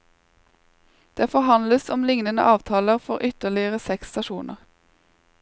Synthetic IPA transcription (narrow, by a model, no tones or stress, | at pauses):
d̪̥eːfɔʁhɑnd̪ləsɔmlɪŋnənə̰ʔɑːʋt̪ʰɑːləʁfɔʁʔʏt̪əʁlɪəʁəsɛkst̪ɑʃuːnə̰ʁ